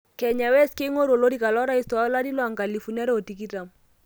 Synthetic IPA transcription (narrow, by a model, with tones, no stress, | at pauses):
kɛ˨ɲa˨wɛ˦ske˦ŋo˦ɾo˨lo˦ɾi˦˨ka˨lɔ˦ɾa˦i˦stɔ˨a˦la˦ɾi˦lwa˨ŋɡa˨li˨fu˨na˦ɾɛ˦o˨ti˨˦ki˦ta˨m